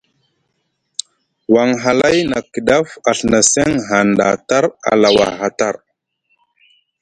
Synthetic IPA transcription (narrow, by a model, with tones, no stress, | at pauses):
wa˨ŋɦa˨la˦jna˨kə˨da˦fa˨ɬna˨se˦ŋɦa˨nda̰˨ta˦ɾa̰˨la˨wa̰˨ɦa˨ta˦˨ɾ